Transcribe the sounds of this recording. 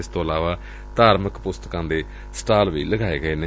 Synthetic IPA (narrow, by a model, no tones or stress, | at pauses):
ɪst̪õːəlaːʋaː | d̪aːɾməkpʊst̪əkãːnd̪eː | sʈaːlʋḭːləɡaːeːɡəeːneː